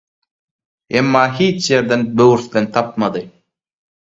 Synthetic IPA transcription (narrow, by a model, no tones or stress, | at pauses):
emːɑːɦiːt͡ʃʰje̞ɾd̪enbøwyɾθd̪ent̪ʰɑp̚mɑd̪ɯ